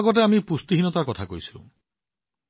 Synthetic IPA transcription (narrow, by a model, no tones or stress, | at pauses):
ɡɔt̬eamipust̪iɦinɔt̪aɾkɔt̪ʰako̰jsʰĩ